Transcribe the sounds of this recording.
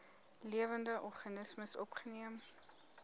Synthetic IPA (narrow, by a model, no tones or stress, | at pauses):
liəvəndəʔɔrχɐnəsməsɔpχəniəm